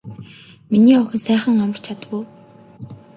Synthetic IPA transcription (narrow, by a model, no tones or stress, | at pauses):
miniːɔɣʲɪ̆nsæːχə̆ŋamə̆r̥t͡ɕʰat̪ɣʊː